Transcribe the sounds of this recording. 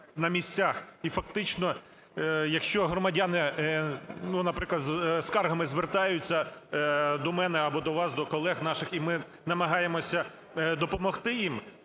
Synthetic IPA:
nɐmʲisʲt͡sʲaxifɐk̚t̪ɪt͡ʃnɔ | jɐkʃt͡ʃɔɦɾɔmɐdʲanɪ | nunɐpɾɪklˠɐd̪zskɑrɦɐmɪzʋert̪ɑjʊt͡sʲːɐ | d̪ɔmɛnɛɐbɔd̪ɔʋɑsd̪ɔkɔlˠɛɣnɑʃɪximɪ | nɐmɐɦɑjemɔsʲɐ | d̪ɔpɔmɔxt̪ɪjim

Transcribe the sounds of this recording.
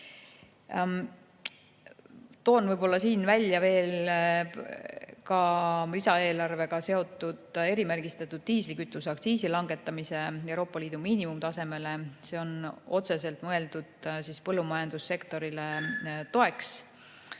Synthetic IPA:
t̪o̞ːnvɤjbo̞lːɑsiːnvælʲjɑve̞ːl | kɑlisɑe̞ːlɑrve̞ɡ̥ɑse̞o̞t̪ːˑud̪̥e̞ɾimærɡ̥ist̪ɑt̪ːˑud̪̥̚t̪iːslikyt̪ːˑusɑkt̪siːsilɑŋɡe̞t̪ːˑɑmise̞e̞wɾo̞ːpːˑɑliːd̪̥umiːnimumt̪ɑse̞me̞le̞se̞ːo̞no̞t̪se̞s̬e̞lt̪ˑmɤe̞ld̪̥ud̪̥sispɤlːumɑjɑnd̪̥usːe̞kt̪o̞ɾilet̪o̞e̞ks

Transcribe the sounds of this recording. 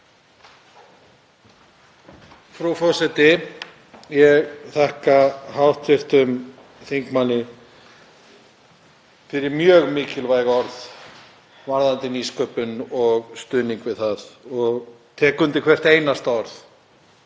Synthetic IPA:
fɾawfɔsɛt̪ɪ | jɛɣθɛhkahawht̪fɪr̥t̪ʏm | θiŋkmanːɪ | fɪɾɪɾmjœːɣmɪːcɪlvaːjɣɔɾð | vaɾðant̪ɪniːskœːpʏnɔɣst̪ʏːniŋkvɪðθaðɔɣ | t̪ʰɛːkʏnt̪ɪkʰvɛr̥t̪eːjnast̪aɔɾθ

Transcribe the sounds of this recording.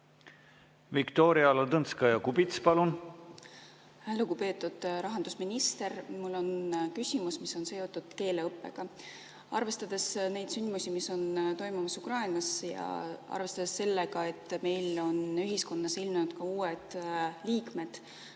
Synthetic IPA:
vikt̪oːɾiɑlɑd̪ɤnskɑjɑkubit̪spɑlun | ælukupe̞ːt̪ːˑud̪̥ɾɑɦɑnd̪usminist̪e̞rmulːo̞nkysʲimusmiso̞nse̞o̞t̪ːˑud̪̥ke̞ːle̞ɤpˑːe̞̰ɡ̥ɑ | ɑ̰rve̞st̪ɑd̪̥e̞sne̞jd̪synd̪musʲimiso̞nt̪o̞jmumɑsukrɑinɑsjɑ̰ɑ̰rve̞st̪ɑd̪̥esse̞lːeɡɑe̞t̪ːme̞jlo̞nyɦisko̞nːɑsilmnut̪kɑuːed̪̥liːkme̞d̪̥

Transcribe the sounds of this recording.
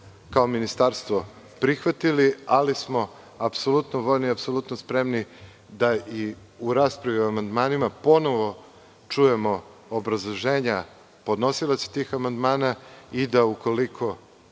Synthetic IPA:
kao̞minist̪aɾst̪ʋo | pɾixʋat̪ilialismo̞ | apsolˠut̪noʋoʎniapso̞lˠut̪nospɾe̞mni | d̪ai | uɾaːspɾaʋioamand̪maːnimapo̞no̞ʋo̞ | t͡ʂuje̞mo̞obɾazlˠoʒeːɲa | po̞d̪no̞silˠase̥t̪iːxamand̪maːnaid̪auko̞likʰo̞

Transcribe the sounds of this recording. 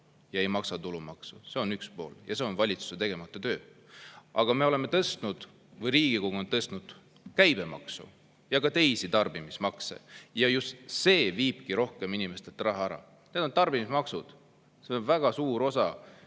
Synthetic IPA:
jɑe̞jmɑksɑt̪ulumɑksuse̞o̞nykspo̞ːljɑse̞o̞nvɑlʲit̪su̥se̞t̪e̞ɡ̥e̞mɑt̪ːˑot̪ø̞ː | ʔɑɡ̥ɑme̞o̞le̞me̞t̪ɤst̪nud̪̥ | vɤjɾiːɡ̥ikoɡuo̞nt̪ɤst̪nud̪̥ | kæjb̥e̞mɑ̰ksṵ | jɑkɑt̪e̞jsit̪ɑrb̥imismɑksḛjɑjust̪se̞ːviːb̥kiɾo̞hke̞minimest̪et̪ːɾɑɦɑæɾɑ̰ | ne̞d̪ont̪ɑrb̥imismɑksud̪̥ | se̞onvæɡ̥ɑsuːɾo̞sɑ

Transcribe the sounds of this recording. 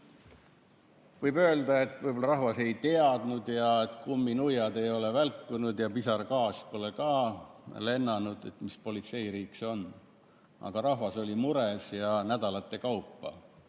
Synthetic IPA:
vɯjbø̞ːld̪ɑe̞t̪ːˑvɯjbolːɑɾɑɦvɑse̞jt̪e̞ɑd̪̥nud̪jɑet̪ˑkumːinujɑd̪e̞jo̞le̞vælkːunud̪̥jɑpisɑrkɑːspo̞lekɑːle̞nːɑnud̪̥e̞̰t̪mispo̞lʲit̪se̞jɾiːkso̞n | ɑ̰ɡ̥ɑɾɑhvɑso̞lʲimuɾesjɑnæd̪̥ɑlɑt̪ːˑekɑwpːɑ̰

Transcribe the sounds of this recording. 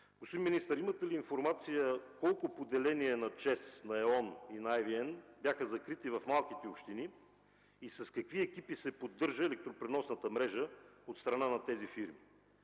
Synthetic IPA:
ɡ̥ospod̪inminist̪əɾimət̪ɛliːnfoɾmat̪sijəkɔlˠkʊpod̪ɛlɛniɛnɐt͡ʃɛsnɐɛɔninɐajviɛnbʲjaxəzɐkɾit̪ivɐfmalˠkit̪ɛopʃt̪ini | isɐskɐkviɛk̟ipisɛpod̪ːɤɾʒəɛlɛk̚t̪ɾopɾɛnɔsnət̪əmɾɛʒəot̪st̪ɾɐnanɐt̪ɛzifiɾmi

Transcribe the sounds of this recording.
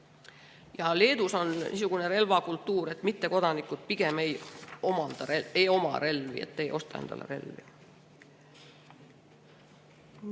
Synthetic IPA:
jɑle̞ːd̪uso̞nnḭsuɡ̥une̞re̞lvɑkult̪ːuːɾe̞t̪ːˑmit̪ːe̞ko̞d̪ɑnikːˑut̪̚piɡ̥e̞mejomɑnd̪̥ɑeejo̞mɑ̰ɾe̞lvḭḛt̪ːejʔo̞st̪ɑend̪̥ɑ̰lḛɾe̞̰lvḭ

